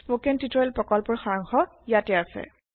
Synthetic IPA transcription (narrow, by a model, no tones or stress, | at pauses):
pokɛntitɔjlpɹɔkɔlpɔɹxaɹaŋxɔ | jatɛasɛ̰